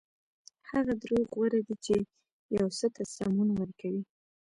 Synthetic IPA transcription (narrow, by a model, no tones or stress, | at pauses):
haɣad̪ɾoɣwaɾad̪it͡ʃe | jawsət̪asɾɑmunwəɾkʰawi